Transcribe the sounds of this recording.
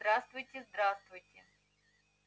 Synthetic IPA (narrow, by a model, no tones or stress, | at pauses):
d̪ɾast̪vʊjtʲɪzd̪ɾast̪vʊjtʲɪ